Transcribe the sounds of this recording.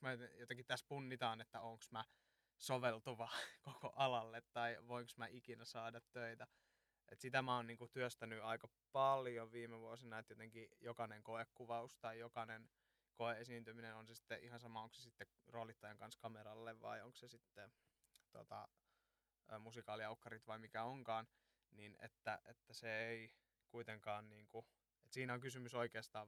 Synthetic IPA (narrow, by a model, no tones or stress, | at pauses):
mæjt̪ejot̪eŋkitt̪æspunːit̪ɑːnet̪ːæoŋksmæ | soʋelt̪uʋɑkoko̰ʔɑlɑlːet̪tɑiʋoiŋksmæʔikinæsɑːdɑt̪tøit̪æ | ʔet̪sit̪æmæoːnniːŋkut̪yøst̪ænyɑikɑ | pɑljoʋiːmeʋuosinɑet̪jot̪eŋkijokɑneŋkoekːuʋɑust̪ɑijokɑnen | koeesiːnt̪yminenonsesi̥t̪ːeʔihɑnsɑmɑoŋksesit̪ːe | roːlit̪ːɑjeŋkɑnskɑmeɾɑlːeʋʋɑ̰ioŋksesit̪ːe | t̪o̰t̪ɑ | musikɑːliɑukːɑrit̪ʋɑimikæoŋkɑːn | ninḛt̪ːæʔḛt̪ːæseei | kuit̪eŋkɑːnniːŋku | et̪siːnæoŋkysymysoikeːst̪ɑː